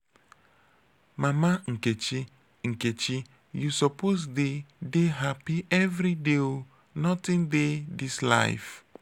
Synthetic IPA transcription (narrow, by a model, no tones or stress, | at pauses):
mamaŋ̩ket͡ʃi | ŋ̩ket͡ʃi | jusɔposdedeɦapiʔɛvɾideo | nɔtɪ̃ndedisla̰ɪf